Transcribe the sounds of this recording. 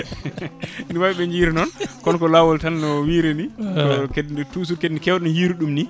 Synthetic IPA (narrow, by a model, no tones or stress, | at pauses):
niwawiɓɛɲd͡ʒiɾɛnɔnkɔnkɔlawɔltalnɔwiːɾeniɔkednituːs̬uɾkednikɛwɗɔnjiɾuɗumni